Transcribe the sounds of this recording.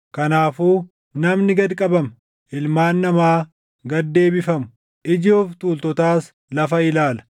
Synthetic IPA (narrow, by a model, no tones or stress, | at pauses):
kɐnaːfuː | nɐmnɪɡɐd̪kʼɐbɐm | ʔɪlmaːnːɐmaː | ɡɐd̪ːe̞ːbɪfɐmʊ | ʔɪd͡ʒoːft̪uːlt̪ɔt̪aːs | lɐfɐɪlaːlɐ̥